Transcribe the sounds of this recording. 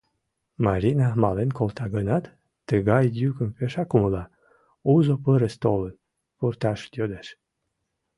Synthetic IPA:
mɑɾʲinɑmɑlenkolt̪ɑɣənɑt̪ː | əɣɑjd̪jykəmpeʃɑkuməlɑ | uzopəɾəst̪olən | purt̪ɑʃt̪jød̪eʃ

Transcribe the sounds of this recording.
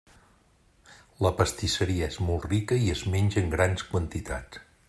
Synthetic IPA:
ləpəst̪isəɾiəezmɔlˠt̪rikəiəzmenʲʒəːŋɡɾanskwənt̪it̪a̰t͡s

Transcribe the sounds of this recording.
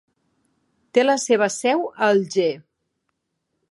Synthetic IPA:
t̪eləseβ̞əsɛwəlˠʒe

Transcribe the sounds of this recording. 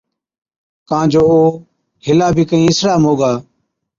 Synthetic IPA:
kãːd͡ʒoːoː | hɪlaːbʱiːkəĩːɪsɾaːmoːɡaː

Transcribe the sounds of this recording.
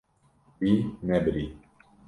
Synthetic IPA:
winɛbɾi

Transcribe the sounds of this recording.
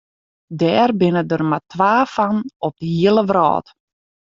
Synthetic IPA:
dɛːrbɪnədərmatʋaːfanɔp̚d̥əɦiəlˠəʋrɔ̰ːt

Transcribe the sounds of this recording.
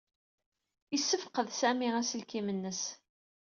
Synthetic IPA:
isːəfqəðsæmiæsəlkimənːəs

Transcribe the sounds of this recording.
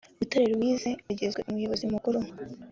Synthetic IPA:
ɾutoɾeɾwiːze̞uɟe̞zɡwḛʔumujo̞βo̞zimukuɾu

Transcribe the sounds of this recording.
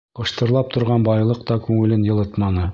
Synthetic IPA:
ɤ̆ʃt̪ɤ̆ɾlˠɑp̚t̪ŏɾʁɑnbɑjlˠɤqt̪ɑkʉŋɘ̆lɘnjɤ̆lˠɤt̪mɑnɤ

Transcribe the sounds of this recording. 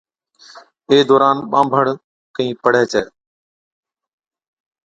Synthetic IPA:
eːd̪oːɾaːnɓãːmbʱəɽ̤ | kəĩːpəɽ̤ɛːt͡ʃʰɛː

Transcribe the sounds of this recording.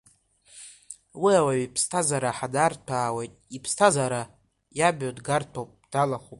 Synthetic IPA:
wiawaɥipʰstʰazaɾaħadartʰaːwejtʼipʰstʰazaɾa | jabodɡartʰowpʼd̥alaχupʼ

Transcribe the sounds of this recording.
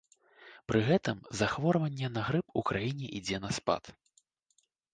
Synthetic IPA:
pɾʔɨɣɛt̪ɨmzaxvɔɾvɐnʲːɛnɐɣɾɨpukɾajinʲɛʔid͡zʲɛnɐspa̰t̪

